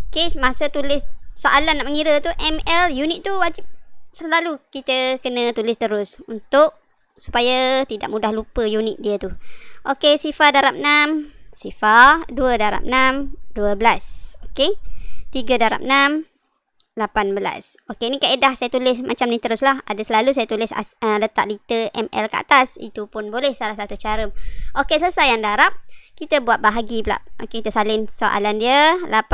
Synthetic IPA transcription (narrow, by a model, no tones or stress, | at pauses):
kesmasət̪ulɪssoʔalanaʔməŋiɾət̪uʔɛmɛljunɪt̪̚t̪ːuwad͡ʒɪp̚səlalukit̪əkənə̃t̪ulɪst̪əɾʊsunt̪ʊʔ̚ | su̥pajat̪ida̰ʔmudahlupəjunɪt̪̚diət̪uʔokesifadaɾap̚namsifaduədaɾa̰p̚namduəbəlasoket̪iɡədaɾa̰p̚nam | lapanbəla̰s | okeinikaʔedahsajat̪ulɪsmat͡ʃamnĩt̪əɾʊslahadasəlalus̬ajat̪ulɪsa̰sələt̪a̰ʔ̚lit̪əʔɛ̰mɛ̰lkəʔa̰t̪asḭt̪upʊnbolɛhsalahsat̪ut͡ʃaɾəmʔokesəəsajaŋdaɾap̚kit̪əbuat̪̚baɦaɡibla̰p̚ʔokekit̪əsalɪnsoʔa̰landiəlap